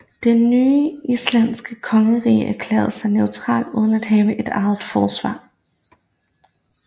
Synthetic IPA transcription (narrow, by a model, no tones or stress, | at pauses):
d̥enːyːʔislæn̰sɡ̥əkʰɒ̽ŋəʁḭːʔæɐkʰlḛːɐð̩ˠsɑ̈ɪneʊt͡sʰʁɑ̰̈ːld̥uːð̞ˠn̩æd̥ɦɛːʊəʔe̝d̥ɑ̈ð̩ˠfɒːsʋɑ̰̈ː